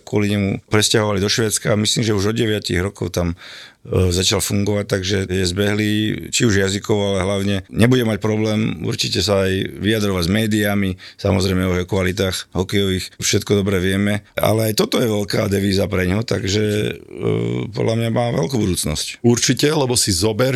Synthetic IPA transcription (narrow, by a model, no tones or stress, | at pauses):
kʊɔliɲɛmṵpɾɛscaɦɔʋalid̪ɔʃʋɛːt͡skamisliːmʒɛuʒɔd̪ɟɛʋɪacḭɣɾɔkɔʊt̪am | zat͡ʃalfuŋɡɔʋac̚t̪aɡʒɛjɛzbɛɦliːt͡ʃiuʒjazikɔʋalɛɦlaʊɲɛɲɛbuɟɛmac̚pɾɔblɛːmṵɾt͡ʃicɛs̬aːjʋiad̪ɾɔʋaɟzmɛːd̪iamisamɔzɾɛjmɛɔɦɛɔkʋalit̪̬aːxɦɔkɛjɔʋiːxfʃɛt̪kɔd̪ɔbɾɛʋɪɛmɛa̰lɛajt̪ɔt̪ɔjɛʋɛlka̰ːd̪ɛʋiːzapɾɛɲɦɔt̪aɡʒɛ | pɔ̰d̪lamɲamaːʋɛ̰lkubud̪uːt͡snɔ̰scuɾt͡ʃicɛlɛbɔsizɔbɛɾ